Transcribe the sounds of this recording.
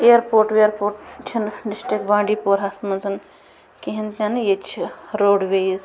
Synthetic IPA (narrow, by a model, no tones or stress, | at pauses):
eːɾpoːɾʈeɾpoːɾʈt͡ʃʰinɖisʈɾikbãːɳɖiːpoːɾɦasmɐnzʰɐn | kiɦint̪ʲɐnjet͡ʃʰiɾoːɖʋejis